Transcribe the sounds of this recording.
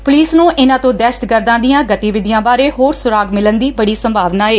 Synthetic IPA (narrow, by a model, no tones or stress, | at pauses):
pʊliːsnũːʔɪnãːt̪õːd̪ɛːʃət̪kəɾd̪ãːd̪ɪjãːɡət̪iːʋɪd̪ijãːbaːɾeːɦoːɾsʊɾaːɡmɪlənd̪iːbəɽiːsəmbʱaːʋnaːeː